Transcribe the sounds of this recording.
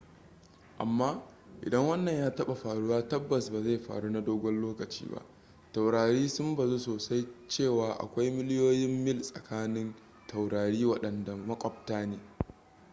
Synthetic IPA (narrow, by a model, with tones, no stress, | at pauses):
ʔa̰˨mːaː˦ | ʔɪ̰˨dɐ˦ŋwɐ˦nːɐ˨ɲjaː˦tɐ˦ɓa˨ɸaː˨ɽu˦waː˦tɐ˦bːɐ˨sbaː˨za˦˨jɸa̰ː˨ɽu˦na˦doː˦ɡʷɔ˦nloː˦kɐ˨t͡ʃḭː˦ba̰˦ʔ | ta˨wɽaː˨ɾiː˦sʊ˦mba˨zoː˦soː˨sa˦jt͡ʃeː˦˨waː˨ʔa̰˨kʷa˦jmɪ˦lɪ˦joː˦jɪ˦mːɪ˦˨lsʼɐ̰˨kaː˦nɪ˦n | tʰa˨wɽaː˨ɽiː˦wɐ˦ɗɐ˨nda˨mɐ˦kʷʼɔ˨p̚taː˦neː˨